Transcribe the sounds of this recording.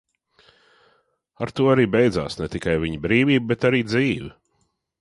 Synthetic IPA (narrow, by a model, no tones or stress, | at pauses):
aɾt̪uɔaɾiːbɛjd̪za̰ːsnɛt̪ikajviɲbɾiːviːb̚bɛt̪aɾiːd̪ziːvi